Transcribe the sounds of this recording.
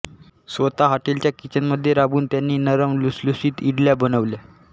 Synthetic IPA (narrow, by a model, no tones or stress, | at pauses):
sʋət̪aɦaʈilt͡ɕjakit͡ɕənməd̪ʱːjeɾabuːnt̪janːiːnəɾəmluslusiːt̪iɽljabənəʋlja